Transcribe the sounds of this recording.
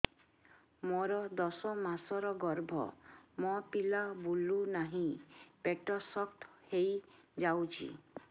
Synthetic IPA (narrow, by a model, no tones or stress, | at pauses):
mɔɾɔd̪ɔsɔmasɔɾɔɡɔɾbʱɔ̰mɔpilabulunaɦĩpeʈɔsɔkt̪ʰhej | d͡ʒawt͡ʃʰḭ